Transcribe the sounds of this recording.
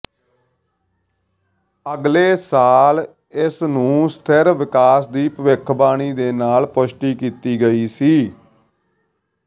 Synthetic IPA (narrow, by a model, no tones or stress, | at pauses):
əɡleːsaːl | ɪsnũːst̪ʰəɾʋɪkaːsd̪iːpəʋɪkʰbaːɽ̃iːd̪eːnaːlpʊʃʈiːkiːt̪iːɡəiːsiː